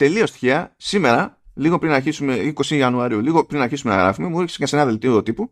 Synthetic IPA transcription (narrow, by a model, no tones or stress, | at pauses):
t̪e̞lio̞st̪i̥çiɐsime̞ɾɐliɣo̞pɾinɐɾçisume̞iko̞siɐnuɐɾiuliɣo̞pɾinɐɾçisume̞nɐ̰ɣɾɐ̰fume̞mueɾçi̥sekɐsenɐðelt̪iot̪ipu